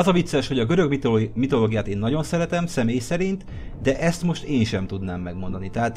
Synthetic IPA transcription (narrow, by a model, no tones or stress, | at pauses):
ɒzɒvit̪sːɛʃho̞ɟɒɡø̞ɾø̞ɡmimit̪o̞loːɡijaːt̪eːnːɒɟo̞nsɛɾɛt̪ɛmsɛmeːjsɛɾint̪ | d̪ɛʔɛst̪mo̞ʃt̪eːnʃɛmt̪ud̪naːmːɛɡmo̞nd̪ɒnit̪ɛɦaːt̪